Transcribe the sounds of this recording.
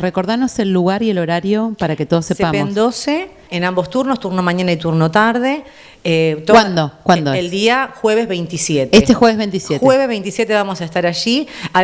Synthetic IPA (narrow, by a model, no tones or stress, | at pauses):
reko̞ɾðano̞se̞lːuɣaɾie̞lo̞ɾaɾjo̞paɾaket̪o̞ð̞osespapeonsd̪oseː | nãmbost̪uɾnost̪uɾnomaɲanait̪uɾnot̪aɾðe | et̪owand̪okwand̪oeelsd̪iaxweβezβejnt̪isjet̪est̪esxweβ̞ezβejnt̪isjetxweeβezβejnt̪isjet̪eβamosaest̪aɾaʒia